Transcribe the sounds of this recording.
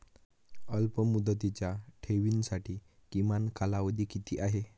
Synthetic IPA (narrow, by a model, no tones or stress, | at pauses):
əlpəmud̪ət̪it͡ɕjaʈʰeʋinsaʈiː | kimankalaʋəd̪iːkit̪ʰiːʔaɦe